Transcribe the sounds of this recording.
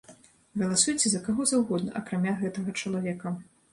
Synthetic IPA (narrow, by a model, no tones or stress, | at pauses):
ɣɐlˠasujt͡sʲɛzɐkaɣɔzawɣɔd̪nɐ̰ʔɐkɾamʲaɣɛt̪ɐɣɐt͡ʂɐlˠavʲɛkɐ